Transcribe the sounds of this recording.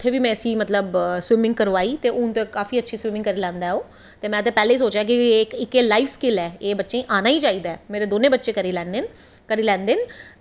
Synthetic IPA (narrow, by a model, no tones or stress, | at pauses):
ɪt̪ʰːeːʋiːmɛ̃ːəsĩːmət̪ləbswɪmɪ̃ŋɡ̚kəɾoaːiːt̪eːʔʊnt̪eːkaːfiːətːʃʰiːswɪmɪ̃ŋɡkəɾiːlɛ̃ːnd̪aːoː | t̪eːmɛ̃ːət̪̬ẽːpɛːleːiːsoːt͡ʃjaːk̬ieːkɪkeːlaːiːʋskɪlɛːeːbətːʃẽːʔaːnaːiːt͡ʃaːiːd̪aɛːmeːɾeːd̪oːnẽːbətːʃeːkəɾiːlɛ̃ːnen | kəɾiːlɛ̃ːnd̪eɪn